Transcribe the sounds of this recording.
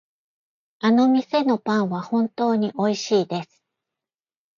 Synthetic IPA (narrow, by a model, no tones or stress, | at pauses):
ano̞mʲise̞no̞pãɰ̃βahõ̞nt̪o̞ːɲ̟iʔo̞iɕiːd̪e̞sɨ̥